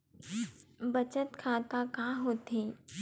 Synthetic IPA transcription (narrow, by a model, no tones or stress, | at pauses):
bɐt͡ʃət̪kʰaːt̪akaɦoːt̪eː